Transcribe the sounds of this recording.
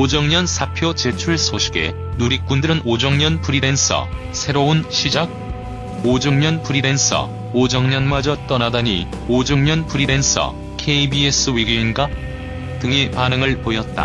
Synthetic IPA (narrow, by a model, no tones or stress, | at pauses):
od͡ʑʌŋɲʌnsʰapʰjot͡ɕe̞t͡ɕʰuɭsʰoɕʰi̥ɡe̞̰ | nuɾik̚k͈undɯɾɯnod͡ʑʌŋɲʌnpʰuɾiɾe̞nsʰʌ̰ | sʰe̞ɾounɕʰid͡ʑaɡ̚ | od͡ʑʌŋɲʌnpʰuɾiɾe̞nsʰʌ̰ | od͡ʑʌŋɲʌnmad͡ʑʌt͈ʌnadaɲḭ | od͡ʑʌŋɲʌnpʰuɾiɾe̞nsʰʌ̰ | kʰe̞ibies͈ʰɯwiɡjoinɡa | tɯŋepanɯŋɯɭpojʌt̚t͈a̰